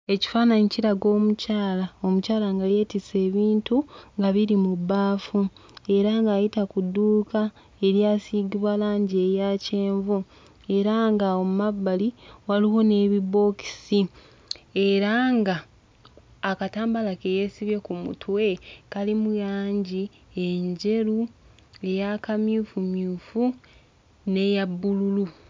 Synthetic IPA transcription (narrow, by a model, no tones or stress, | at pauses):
e̞ci̥faːnaɲiciɾaɡo̞ːmucaːlao̞mucaːlaŋɡaje̞ːtise̞ːβiːntuŋɡaβiɾimubːaːfue̞ɾaŋɡaːjitakudːuːka | e̞ɾjaːsiːɡiβwalaːɲɟe̞jaːce̞ːɱvu | e̞ɾaŋɡaomumabːaliwaliwo̞ne̞ːβibo̞ːki̥si | e̞ɾaŋɡaː | kataːmbalakejesiβje̞kumṵtʰwe̞kalimujaːɲɟi | eɲɟe̞ɾu | e̞jakamjuːfumjuːfu | ne̞jabːululu